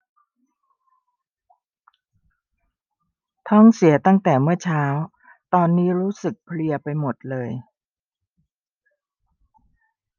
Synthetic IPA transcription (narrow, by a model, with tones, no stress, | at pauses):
t̪ʰɔ˥˩ŋsi˩˦ɐt̪a˥˩ŋt̪ɛː˨˩mɯ˥˩ɐt͡ɕʰaː˦˥w | t̪ɔː˧nːiː˦˥ɾuː˦˥sɯ˨˩k̚pʰli˧ɐpa˧jmo˨˩t̪̚lɤː˧j